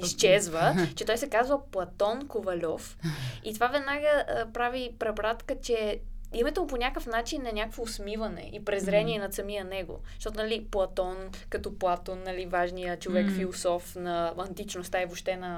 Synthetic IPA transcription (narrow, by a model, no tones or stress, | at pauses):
ist͡ʃɛzvət͡ʃɛt̪ɔjsɛkazvəplˠɐt̪ɔnkovɐlʲɔfit̪ovavɛd̪naɡəpɾavipɾɛbɾat̪kət͡ʃɛimɛt̪ɛmponʲakəfnat͡ʃinːɐnʲakəkvoːsmivɐnɛ̰ʔipɾɛzɾɛniɛnɐt̪sɐmijənɛɡo̰ʃt̪ɔt̪ʊnɐliplˠɐt̪ɔn | kɐt̪ɔplˠat̪ɔnːɐlivaʒnijət͡ʃovɛkfilˠosɔfnɐɐnt̪it͡ʃnost̪aivoʃt̪ɛnɐ